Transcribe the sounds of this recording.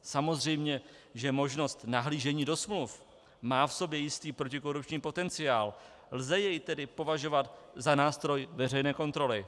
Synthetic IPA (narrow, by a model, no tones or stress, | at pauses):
samo̞zr̝ɛjmɲɛ | ʒɛmo̞ʒno̞st̪naɦliːʒɛɲiːdo̞smluf | maːfso̞bjɛjɪst̪iːpɾo̞cɪko̞ɾup̚t͡ʃɲiːpo̞t̪ɛnt͡sɪaːl | lzɛjɛjt̪ɛdɪpo̞vaʒo̞vat̪ | zanaːst̪ɾo̞jvɛr̝ɛjnɛːko̞nt̪ɾo̞lɪ